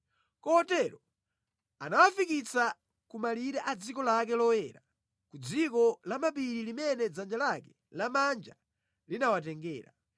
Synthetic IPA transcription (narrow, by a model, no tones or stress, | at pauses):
kɔhɔtɛɾɔ | anawafikit͡sa | kumaliɾɛʔad͡zikɔlak̬ɛlɔwɛɾa | kud͡zikɔlamapiɾilimɛnɛd͡zand͡ʒalakɛ̥ | lamand͡ʒa | linawat̬ɛŋɡɛːɾa̰